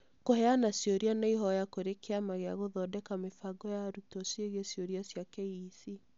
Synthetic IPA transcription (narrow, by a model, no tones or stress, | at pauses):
koɦɛanasjoɾianaiɦɔjakoɾekeamaɣeaɣoðɔdɛkamefaɡɔjaɾutɔseɣesjoɾiasjakɛisi